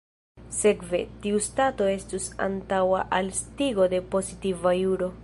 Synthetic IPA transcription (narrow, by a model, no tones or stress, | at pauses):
se̞kve̞̰tiustato̞e̞stusa̰ntawaʔalstiɡo̞de̞po̞zitivajuɾo̞